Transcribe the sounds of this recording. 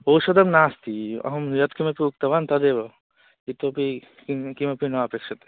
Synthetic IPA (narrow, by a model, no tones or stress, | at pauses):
oːʃɐd̪ɐmnaːst̪iɐ̰ɦɐmjɐt̪kimɐpiuk̚t̪ɐʋant̪ɐd̪eːbɐ | it̪opi | kkimɐpinɐɐpekʃɐt̪e̥